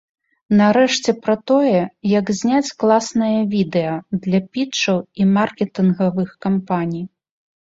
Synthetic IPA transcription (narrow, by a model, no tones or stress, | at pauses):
nɐɾɛʂt͡sʲɛpɾɐt̪ɔjɛjɐɡzʲnʲat͡sʲklˠasnɐjɐvʲid̪ɛjɐd̪lʲɐpʲit͡ʂɐwimarkʲɛt̪ɨnɣɐvɨxkampanʲij